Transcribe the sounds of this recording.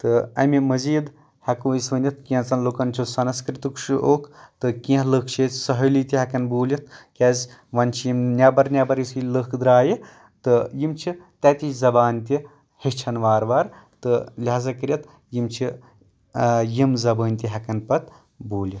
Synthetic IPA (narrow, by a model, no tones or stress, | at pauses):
t̪ɨɐ̰mimɐziːd̪ | hɐkũːisʋɐnʲjɐt̪kĩɐ̃t͡sɐnlokɐnt͡ʃʰusɐnɐskɾit̪ukʃuʔoːkʰt̪ɨkĩɦlɨkʰt͡ʃʰeːt̪ʲsɐɦɐliːt̪ʲiɦɐkɐnbuːlʲɐt̪̚ʰkʲɛzʲʋɐnt͡ʃʰijimnʲɐbɐɾnʲabɐɾjisiləkʰd̪ɾaːji | t̪ɨjimt͡ʃʰit̪ɐt̪ʲit͡ʃzɐbaːnt̪i | hit͡ʃʰɐnʋaːɾʋaːɾt̪ɨlʲɦaːzɐkɨɾʲjɐt̪ | jimt͡ʃʰi | jimzɐbəːnʲt̪ʲiɦɐkɐnpɐt̪ | buːlʲit̪